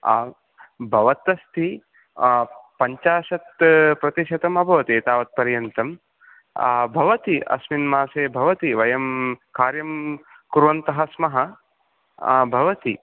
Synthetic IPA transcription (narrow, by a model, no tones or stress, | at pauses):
bʱɐʋɐt̪ɐst̪ʰi | pɐɲt͡ʃaːʃɐt̪pɾɐt̪iʃɐt̪ɐmɐbʱɐʋɐt̪eːt̪aːʋɐt̪̚pɐɾjɐnt̪ɐm | bʱɐʋɐt̪iɐ̰sminmaːseːbʱɐʋɐt̪iʋɐjɐmkaːɾjɐm | kuɾʋɐnt̪ɐɦɐsmɐɦɐ | bʱɐʋɐt̪i